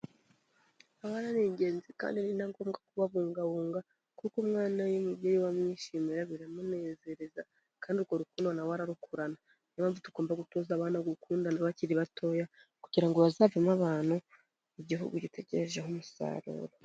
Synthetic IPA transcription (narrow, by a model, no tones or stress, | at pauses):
awaɾaneːɲɟe̞ːnzika̰ːndianiinhaŋɡo̞ːmɡakuβaβuːŋɡaβuːŋɡa | kukumŋaːnajimubɟeːjiwamɲiʃimeɾaβiɾamune̞ːze̞ɾe̞za | kaːndiuɾɡo̞ɾukuːndanawaɾaɾukuɾana | ɲamaːvutuɡoːmbaɡutoːzaβaːnaɡukuːndanaβaciɾiβatʰo̞jakuɟ̥iɾaŋɡo̞βazavemaβaːn̥hu | iɟiɦṵɡuɟitʰe̞ɟeɾeʒeɦumusa̰ːɾṵːɾo